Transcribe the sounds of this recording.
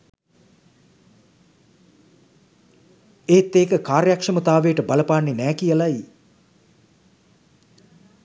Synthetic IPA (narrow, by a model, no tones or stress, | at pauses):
eːt̪ːeːkəkaːɾjakʂəmət̪aːʋeːʈəbaləpaːnːenɛːkijəlaj